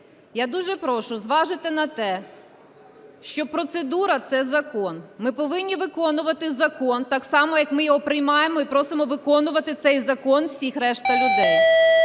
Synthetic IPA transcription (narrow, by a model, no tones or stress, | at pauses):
jad̪uʒɛpɾɔʃʊzʋɑʒɪt̪ɪnɐt̪ɛ | ʃt͡ʃɔpɾɔt̪sed̪uɾɐt̪sɛzɐkɔnmɪpɔʋɪnʲːiʋɪkɔnʊʋɐt̪ɪzɐkɔnt̪ɑksɑmɔjɐkmɪjɔɦɔpɾɪjmɑjemɔipɾɔsɪmɔʋɪkɔnʊʋɐt̪ɪt̪sɛjzɐkɔnwsʲixɾɛʃt̪ɐlʲʊd̪ɛj